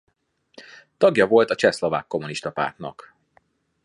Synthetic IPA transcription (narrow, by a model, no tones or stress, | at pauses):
t̪ɒɡjɒvo̞lt̪ɒt͡ʃɛslo̞va̰ːkːo̞muniʃt̪ɒpa̰ːrt̪nɒ̰k